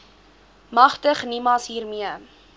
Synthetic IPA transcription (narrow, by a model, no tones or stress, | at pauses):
mɐχtəχnimɑsɦiːrmiə